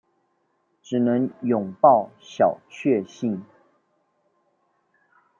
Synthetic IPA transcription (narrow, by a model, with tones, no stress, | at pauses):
ʈ͡ʂɻ̩˨˩nə˧˦ŋjʊ˨˩ŋpɑ˥˩ʊɕjɑ˨˩ʊt͡ɕʰɥɛ˥˧ɕi˥˨ŋ